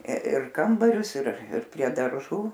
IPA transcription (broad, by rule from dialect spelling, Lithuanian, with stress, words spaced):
ɪr ˈkɐmbɐrʲʊs ɪr ˈɪr pʲrʲiɛ dɐrˈʒuː